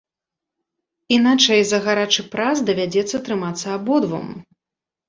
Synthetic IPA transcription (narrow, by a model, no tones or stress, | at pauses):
inat͡ʂɐjzɐɣaɾat͡ʂɨpɾazd̪ɐvʲad͡zʲɛt̪sːɐt̪ɾɨmat̪sːɐːbɔd̪vɐ̰m